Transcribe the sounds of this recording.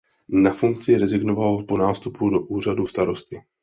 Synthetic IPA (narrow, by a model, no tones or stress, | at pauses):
nafuŋk̚t͡sɪɾɛzɪɡnovalpo̞naːst̪upudo̞ʔuːr̝aduːst̪aɾo̞st̪ɪ